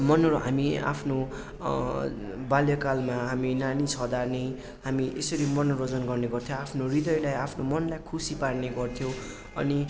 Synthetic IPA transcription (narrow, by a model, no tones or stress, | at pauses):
mʌnʌɾoɦamia̰pʰno | baljʌkalmaɦaminanisʰʌɦd̪arnej | hamiʔesʌɾimʌnrod͡zʌnɡʌrneɡʌrt̪ʰjõapʰnorid̪ʌjlajapʰnomʌnlajkʰusiparneɡʌrt̪ʰjõ | ʌ̰ni